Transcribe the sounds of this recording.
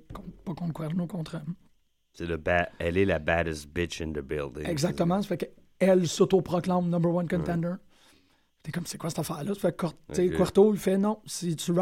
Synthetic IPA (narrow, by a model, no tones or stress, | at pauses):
kɔ̃pɔkɔ̃lkwɛʁlnukɔ̃t̪ʁə | sɪləbæɛlɪləbæɾɨsb̥ɪt͡ʃɪ̃nðəbɪ̰lˠdɪ̰̃ɛɡzak̚t̪əmɑ̃se̥fɛk | ɛlsot̪opʁɔklãmnɔ̃mbəʁwʌ̃nkɔ̃nt̪ɛ̃nd̪ə˞ | t̪ekɔmsekwasɛ̥t̪afæːʁlʌsfɛkɔt͡sekwɔʁt̪oilfɛnɔ̃sit͡s̪y